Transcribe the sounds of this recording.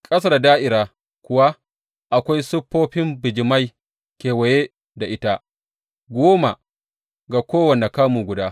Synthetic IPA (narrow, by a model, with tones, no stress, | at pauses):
kʼɐ˦s̬a˦˨ddaː˦ʔɪ˨ɾaː˨ | kʷʊ˦wa˦ | ʔa˨kʷa˦jsʊ˦pːoː˦ɸɪ˦mbɪ˨d͡ʒɪ˨ma˦j | kʲeː˨wɐ˨jeː˦ | da˨ʔɪ˦ta˦ | ɡʷoː˦ma˨ | ɡa˨kʷoː˦wɐ˨ne˨kaː˦muː˨ɡʷʊ˨daː˦